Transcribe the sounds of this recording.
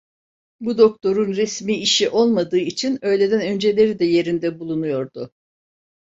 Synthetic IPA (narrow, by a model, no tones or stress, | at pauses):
bud̪o̞k̚t̪ʰo̞ɾunɾɛsmiːiʃiʔo̞lˠmad̪ɯːit͡ʃʰinø̞jlʲe̞d̪ænø̞nd͡ʒe̞lʲe̞ɾid̪ɛje̞ɾind̪ɛbulˠunujo̞ɾd̪ʊ